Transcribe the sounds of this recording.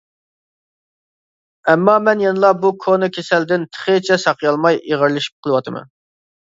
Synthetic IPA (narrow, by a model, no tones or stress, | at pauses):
ɛmːɑmɛnjenɨlˠɑbukʰonɨkʲʰesɛld̪ɪnt̪ʰə̥χət͡ʃʰɛsɑqjɑlˠmɑjeʁəɾlˠɨʃi̥p̚qʰəlˠɨwɑt̪ʰɨmɛ̰n